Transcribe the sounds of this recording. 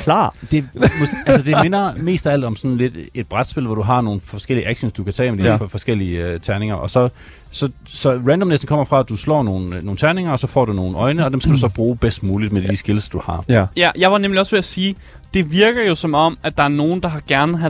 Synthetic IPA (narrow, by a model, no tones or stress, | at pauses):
kʰlɑ̰d̥e̝mo̥ælsəd̥e̝me̝nɐme̝̰ːsd̥æl̰d̥ɒ̽msɒ̽nle̝d̥e̝d̥̚b̥ʁad̥sb̥e̝l̰ʋɒɾ̥uɦɑ̈no̝ːn̩fɒsɡ̥el̰iəʔæɡ̥ɕonsd̥ukʰæt͡sʰɛ̰ːmed̥iəffɒ̽sɡ̥el̰iət͡sʰæɐne̝ŋɐʔɒ̽sɒ̽ | sɒ̽ | sɒ̽ʁænd̥ɒmnesd̥n̩kʰɒ̽m̰ɐfʁɑ̈d̥uslɒ̰ːno̝ːn̩noːn̩t͡sʰæɐne̝ŋɐɒ̽sɒ̽fɒ̰ːd̥uno̝ːn̩ɒ̽ɪnəɒ̽d̥emsɡ̥æduusɒ̽b̥ʁuːb̥esd̥muːlid̥med̥isɡ̥e̝lsd̥uhɑ̈jæjɑ̈ɪʋɑ̈nemliɒ̽sʋeæsiː | d̥e̝ʋiɐɡ̥ɐjo̝sɒ̽mɒ̽mæd̥̚ɑ̈æɐno̝ːn̩d̥ɑ̈ɦɑ̈ɡ̥æɐnəɦæ